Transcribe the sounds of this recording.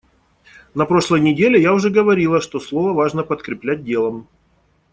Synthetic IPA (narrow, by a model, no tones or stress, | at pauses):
nɐpɾo̞ʂlˠəjnʲɪdʲelʲɪjaʊʐɛɡəvɐɾʲilˠəʂt̪oslˠo̞vəvaʐnəpət̪kɾʲɪplʲæt̚ʲdʲe̞lˠəm